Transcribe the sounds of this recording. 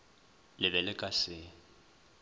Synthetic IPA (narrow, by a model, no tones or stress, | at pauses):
lɪbɛlɪkʼasɪ